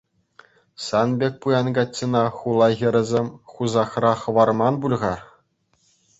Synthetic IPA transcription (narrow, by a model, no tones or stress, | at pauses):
sɑnbʲek̚ʲpujɑnɡɑtʲːĭnɑχulˠɑɣʲɘ̆ɾʲɘ̆zʲemʲχuzɑχrɑχɤ̆ʋɑrmɑnbulʲʁɑr